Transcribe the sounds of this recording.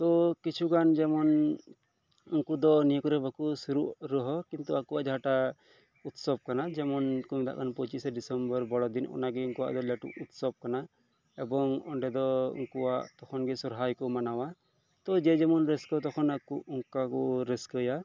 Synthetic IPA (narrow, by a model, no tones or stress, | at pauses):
t̪ɔkit͡ʃʰuɡand͡ʒɛmɔn | uŋkud̪ɔniəkɔɾɛbakusuɾuʔɾɔɦɔkint̪uakuwaʔd͡ʒaɦaʈa | ut̪sɔb̚kanad͡ʒɛmɔnkumɛd̪aʔkʰanpɔt͡ʃisɖisɛmbɔɾbɔɽɔd̪inɔ̰naɡɛuŋkuwa̰ʔd̪ɔlɛʈṵʔut̪sɔb̚kana | ɛbɔŋɔɳɖɛd̪ɔṵŋkuwaʔt̪ɔkʰɔnɡɛsɔɾɦajkɔmanawa | t̪ɔd͡ʒɛd͡ʒɛmɔnɾɛskɔt̪ɔkʰɔnakuʔuŋkakɔɾeskəja